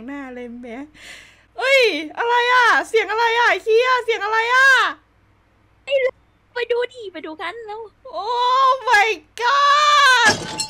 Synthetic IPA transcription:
ŋnaː˧˩le˧˩mːɛ˧˦˥ | ʔɯ˧˥˩jʔa˧ɾa˧jʔaː˧˩si˨˩˦əŋʔa˧ɾa˧jʔaː˧˩k̪ʰiː˧˥a˧˨˩si˨˩˦əŋʔa˧ɾa˧jʔaː˧˩ | a˧˩jl | pa˧jduː˧diː˨˩pa˧jduː˧kʰa˧˥˨nlɛː˦˥wʔoː˧˩ma˧˩jkaː˧˩

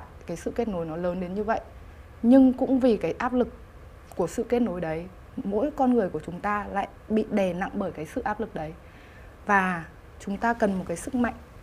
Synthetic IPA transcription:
kaː˨˦jsɨ̰˧˨ke˦˥t̚no˨˦jnɔ˨˦ləː˨˦nɗe˨˦nɲɨ˧və̰˧˨j | ɲɨ˧ŋkʊ̰˧˥ŋ͡mvi˨˩kaː˨˦jʔaː˦˥p̚lɨ˨˩k | kːu˧˩əsɨ̰˧˨ke˦˥t̚no˨˦jɗə˨˦j | mo̰˧˥jkɔ˧nŋɨ˨˩əjku˧˩ət͡ɕʊ˨˦ŋ͡mt̪aː˧la̰ː˧˨jɓḭ˧˨ɗe˨˩na̰˧˨ŋɓəː˧˩jkaː˨˦jsɨ̰˧˨ʔaː˦˥p̚lɨ˨˩k̚ɗə˨˦j | vaː˨˩ | t͡ɕʊ˨˦ŋ͡mt̪aː˧kə˨˩nmo˨˩t̚kaː˨˦jsɨ˦˥k̚ma̰˧˨jŋ̟

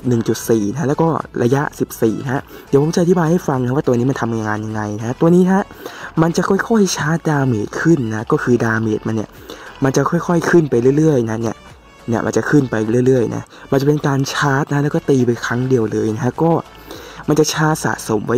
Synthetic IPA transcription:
nɯ˨˩ŋt͡ɕu˨˩t̪̚siː˨˩na˦˥lɛː˦˥wkɔː˥˩lʔa˧ja˦˥ʔsi˨˩p̚sḭː˨˩na˦˥a˦˥di˨˦pʰo˨˦t͡ɕa˨ʔt̪ʰbaː˧jha˥˩jfa˧ŋna˦˥˦waː˥˩t̪u˧ni˦˥m˧nt̪ʰa˧ma˧ŋaː˧nja˧ŋa˧jna˦˥kʰa˦˥t̪u˧niː˦˥nʰa˦˥ma˧nt͡ɕa˨˩kʰɔ˥˩jkʰɔ˥˩jha˥˩jt͡ɕʰaː˦˥t̪̚daː˧meː˨˩t̪̚kʰɯ˥˩nːa˦˥kɔː˥˩kʰɯː˧daː˧mḛː˨˩t̪̚ma˧nːi˦˥˩ɐ | ma˧nt͡ɕa˨˩kʰɔ˥˩jkʰɔ˥˩jkʰɯ˥˩npa˧jlɯ˥˩˨ɾɯ˥˩əjna˦˥ni˥˩ɐ | ni˥˩ɐma̰˧nt͡ɕa˨˩kʰɯ˥˩npa˧jlɯ˥˩˨ɾɯ˥˩əjnʔa̰˦˥ | ma˧nt͡ɕa˨˩pe˧nkaː˧nt͡ɕʰaː˦˥t̪̚na˦˥lɛː˦˥wkɔː˥˩t̪iː˧pa˧jkʰɾa˦˥ŋdi˧əwlɤː˧jna˦˥kʰa˦˥kɔː˥˩ | ma˧nt͡ɕa˨˩t͡ɕʰaː˦˥t̪̚sa̰ː˨˩t̪̚so˩˦mwa˦˥

